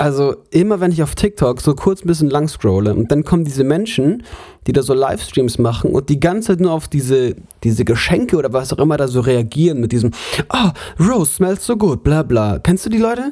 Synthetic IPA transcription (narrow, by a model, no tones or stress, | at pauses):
ʔalzoʔɪmɐvɛnɪçaʊftʰɪk̚tʰɔkz̥oːkʰʊɐt͡sn̩bɪs̬çənlaŋskʁ̥oʊləʔʊ̰nt̚d̥ankʰɔməndiːzəmɛnʃn̩d̥iːdaːzoːla̰ɪfstʁ̥iːmsmaχn̩ʔʊ̰nt̚d̥iːɡant͡saɪt̬nuːɐaʊfd̥iːzə | d̥iːzəɡəʃɛŋkəʔoːɾɐvasaʊxʔɪmɐɾaːzoːʁeaɡiːʁənmɪt̚d̥iːzm̩ʔaːʁoʊsʃmɛlsz̥oːɡuːt̚b̥laːblaːkʰɛnstd̥uːdiːlɔʏtə